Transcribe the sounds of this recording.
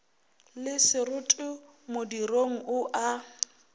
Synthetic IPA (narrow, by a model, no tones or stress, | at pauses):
lɪsɪrʊtʼʊ | modiroŋ̩ʔʊʔa